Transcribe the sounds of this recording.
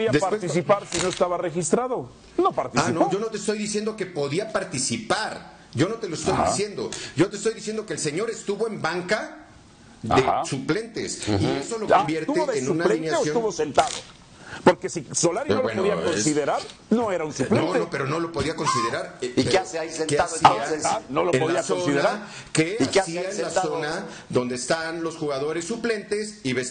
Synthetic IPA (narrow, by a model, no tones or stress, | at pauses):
oðiad̪eaɾt̪isipaɾsinoest̪aβarexist̪ɾaðo | nopaɾt̪iainoʝo̞no̞t̪eːst̪o̞jðisje̞nd̪oke̞po̞ðiapaɾt̪isipaɾ | ɟ͡ʝo̞no̞t̪e̞loest̪o̞jd̪isje̞nd̪o̞̰ɟ͡ʝo̞t̪est̪o̞jðisje̞nd̪o̞keːlse̞ɲo̞ɾe̞st̪uβo̞embaŋka | ea̰suple̞nt̪ḛsieso̞lokombje̞ɾtuβeoðeeuũnaleinjaesjot̪uβosent̪aðo | poɾkesisolaɾinobwenpðiakonsiðeɾaɾ | noeɾaunsuplenoopeɾono̞lo̞po̞ðiako̞nsiðeɾaɾieaseaisenkeaðaaenolopoðiasooiðeaa | kekeasiaenlaso̞na | ðõ̞nd̪eːst̪anlo̞sxuɣaðo̞ɾe̞sːuple̞nt̪e̞siβes